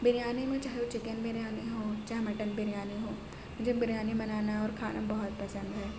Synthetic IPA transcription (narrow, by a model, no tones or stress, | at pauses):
bɪɾijaːnimẽt͡ʃaːɦeot͡ʃɪkənbʱɪɾjaːniɦõːt͡ʃaːɦɛmɐʈənbɪɾjaːniɦõː | mʊd͡ʒʱebɪɾjaːnibɐnaːnaɔːɾkʰa̰ːnʔabɐɦʊt̪̚pɐsə̃nd̪ɦɛː